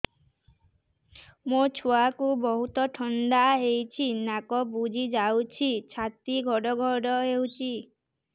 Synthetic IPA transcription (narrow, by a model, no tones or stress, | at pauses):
mot͡ʃʰoakubɔɦut̪ɔʈʰɔnɖaɦejt͡ʃʰinakɔbud͡ʒʱid͡ʒawt͡ʃʰit͡ʃʰat̪iɡʱɔɽɔɡʱɔɽɔɦewt͡ʃʰi